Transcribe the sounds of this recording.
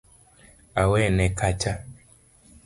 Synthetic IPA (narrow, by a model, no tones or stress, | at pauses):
awɛnɛkat͡ʃa